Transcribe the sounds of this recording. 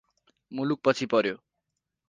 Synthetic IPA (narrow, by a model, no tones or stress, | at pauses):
muluk̚pʌt͡sʰipʌɾjo